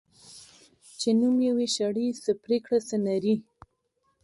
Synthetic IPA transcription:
t͡ʃenumjaweʃaɽisəpɾekɽasənaɾi

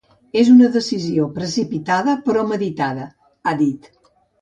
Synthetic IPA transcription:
ezunəðəsiziopɾəsipit̪aðəpɾɔməðit̪aðə | aðit̪

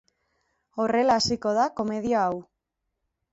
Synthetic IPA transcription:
o̞re̞laːsiko̞ð̞ako̞me̞ð̞iaaw

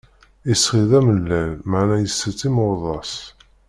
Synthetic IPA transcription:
isχiðæməlːælməʕnæjəsːət͡sːimʊðˤɑs

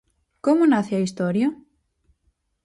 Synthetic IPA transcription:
komʊnaθeɐist̪oɾjɐ

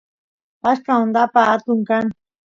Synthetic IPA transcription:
askaond̪apaːt̪ʊŋkaŋ

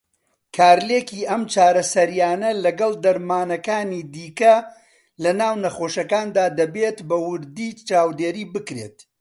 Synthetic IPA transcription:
kʰaːɾlekiːʔɐmt͡ʃaːɾɐsɐɾijaːnɐlɐɡɐlˠd̪ɐɾmaːnɐkaːniːd̪iːkɐ | lɐnaːwnɐχoʃɐkaːnd̪aːd̪ɐbeːt̪bɐwʊɾd̪iːt͡ʃaːwd̪eːɾiːbɨkɾe̞̰t̪

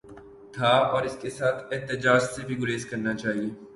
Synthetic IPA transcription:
t̪ʰaɔːɾɪskesaːt̪ʰɪɦt̪ɪd͡ʒaːd͡ʒsebʱiɡʊɾeːskɐɾnat͡ʃaːɦieː

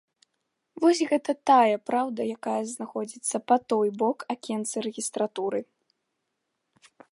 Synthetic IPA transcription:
vɔsʲɣɛt̪ɐt̪ajɐpɾawd̪ɐjakajɐznaxɔd͡zʲit̪sːɐpat̪ɔjbɔkakʲɛnt̪sɨɾɛɣʲist̪ɾat̪uɾɨ

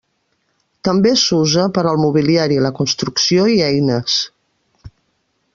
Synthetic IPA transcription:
t̪əmbesuzəpəɾəlˠmuβ̞iliaɾiləkunst̪ɾuksioiɛjnəs

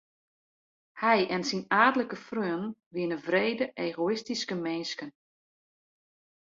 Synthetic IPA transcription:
hɛjʔɛnsinaːdələkəfrøːnʋɪənəvreːdəʔeːɣoɪstiskəmɛnskən

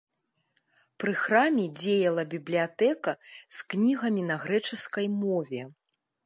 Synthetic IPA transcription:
pɾɨxɾamʲɛd͡zʲejɐlˠɐbʲiblʲijat̪ɛkɐsknʲiɣɐmʲinɐɣɾɛt͡ʂɨskɐjmɔvʲɛ

